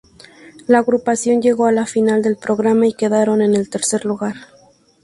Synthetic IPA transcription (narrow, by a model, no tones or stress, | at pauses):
laːɣɾupasjo̞nd͡ʒe̞ɣo̞alafinald̪e̞lpɾo̞ɣɾamaike̞ðaɾo̞ne̞ne̞lt̪e̞ɾse̞ɾluɣaɾ